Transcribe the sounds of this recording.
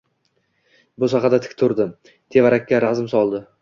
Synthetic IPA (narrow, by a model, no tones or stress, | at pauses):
bʊsɑqɑd̪at̪ʰɪ̥kʲt̪ʰʊɾd̪ɪ | t̪ʰe̞vaɾakʲːaɾazmsɒlˠd̪ɪ